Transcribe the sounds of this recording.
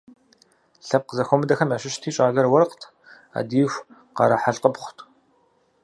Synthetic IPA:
ɬɐp̚qəzɐxʷɔmɨdɐxɐmɐʃɪʃtʰiːt͡ʃʼaːɣɐrwɐrqtʰ | a̰ːdiːxʷ | qɐ̰ɾɐħaɬqəpχʷʊtʰʼ

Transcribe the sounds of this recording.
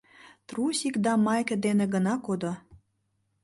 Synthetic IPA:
t̪rusikd̪ɑmɑjkə̆d̪enĕɡənɑkod̪o

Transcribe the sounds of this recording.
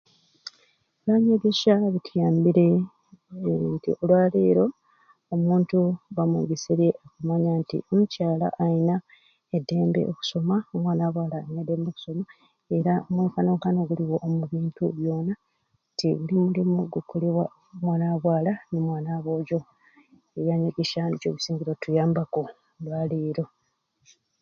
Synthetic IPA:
eβaːɲeβjeʃaβitʰijaːmbiɾe̞ | ntḭo̞lwaːleːɾo̞ː | muːntuβamwḛɡeseβjeʔokumaɲantḭomucaːla̰ʔːina | edːe̞ːmbe̞̰oku̥so̞maomwaːnaːβwaːlanedːe̞ːmbeku̥so̞ma | e̞ɾaomweːkanoːŋkano̞ɡuliwo̞ʔːmuβiːntuβjo̞ːna | tiɣulimulimuɡukʰoleβwa | mwaːnaβwaːlanemwaːnaβo̞ːɟo̞ | eβjaːɲeɡeʃanocoːβusiːɲɟiɾo̞tujaːmbaku | lwaːliːɾo̞

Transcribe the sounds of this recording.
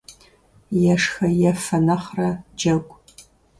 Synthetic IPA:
jɛʂxɐjɛfɐnɐχrɐd͡ʒɐɡʷʼ

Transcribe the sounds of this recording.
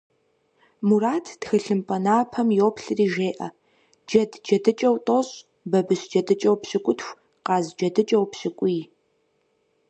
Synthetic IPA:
muraːtʰtxɨɬɨmpʼɐnaːpʰɐmjoːpʰɬɨriːʒeːʔɐ̰ | d͡ʒɐdd͡ʒɐdɨt͡ʃʼɐwtʼoɕ | bɐbɨsd͡ʒɐdɨt͡ʃʼɐwpɕɪkʷʼʊtʰxʷ | qɑːzd͡ʒɐdɨt͡ʃʼɐwpɕɪkʷʼij

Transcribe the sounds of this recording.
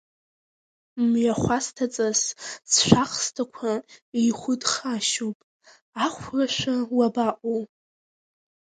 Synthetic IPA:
mɥaχʷastʰat͡sʼassʃʷaχstʰakʷʰaiχʷʊdχaʃowpʼ | aχʷraʃʷawabaʔʷʼo

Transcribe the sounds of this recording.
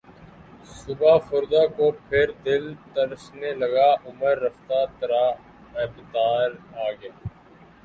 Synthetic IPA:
sʊbaːfʊɾd̪aːkoːpʰɪɾd̪ɪlt̪əɾsneləɡaːʔʊməɾːəft̪aːt̪əɾaː | ɪːbt̪aːɾaːɡjaː

